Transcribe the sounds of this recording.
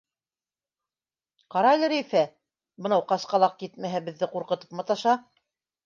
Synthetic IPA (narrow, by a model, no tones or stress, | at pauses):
qɑɾɑjlʲɘ̆ɾĕjfæ | bɤ̆nɑwqɑsqɑlˠɑq̚kjit̪mæɦæbɘ̆ðːɘquɾqɤ̆t̪ɤ̥pmɤt̪ɑʃɑ